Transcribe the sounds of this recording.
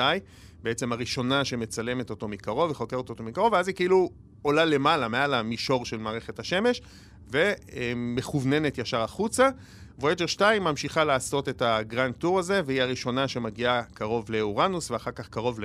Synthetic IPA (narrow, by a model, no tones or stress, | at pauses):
aj | beet͡se̞maʁiʃo̞naʃe̞me̞t͡sale̞meto̞to̞mikaʁo̞veχo̞keʁt̪o̞to̞mikaʁo̞veazikiilu | o̞lale̞malame̞alamiʃo̞ʁʃe̞lmaːʁe̞χethaʃe̞me̞ʃ | ve̞me̞χuvne̞netjaʃaʁaχut͡sa | voed͡ʒeʁʃtajmamʃiχalaːso̞te̞taɡʁan̚tuʁaze̞vehiaʁiʃo̞naʃe̞maɡiakaʁo̞vle̞uʁanusveaχaʁkaχkaʁo̞vl